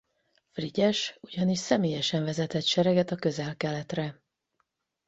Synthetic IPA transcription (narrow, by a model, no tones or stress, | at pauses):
friɟɛʃuɟɒniʃsɛmeːjɛʃɛɱvɛzɛt̪ɛt̪ʃɛɾɛɡɛt̪ɒkø̞zɛlkɛlɛt̪rɛ